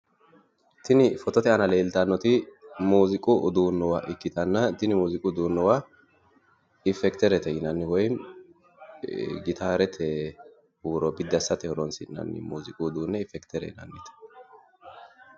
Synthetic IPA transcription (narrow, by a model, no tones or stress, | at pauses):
t̪ʰɪnɪfɔt̪ɔt̪ɛɐnɐle̞ːlt̪ɐnːɔt̪ɪmuːzɪkʼʊd̪uːnːɔwaʔɪkːɪt̪ɐnːɐt̪ɪnɪmuːzɪkʼʊd̪uːnːɔwa | ɪfɛkt̪ɛɾɛt̪ɛjɪnɐnːɪwɔjn | ɡɪt̪ʰaːɾɛt̪ʰɛ | huːɾɔbɪd̪ːɐsːɐt̪ɛhɔɾɔnsɪnɐ̰nːɪ̰muːzɪkʼʊd̪uːnːɛɪfɛkt̪ʰɛɾɛ̰ɪnɐ̰nːɪt̪ɛ̥